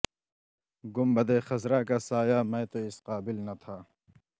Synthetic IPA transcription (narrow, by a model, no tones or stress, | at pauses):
ɡʊmbɐd̪eːxɐzɾaːkasaːjaːmẽːt̪oɪsqaːbɪlnɐt̪ʰaː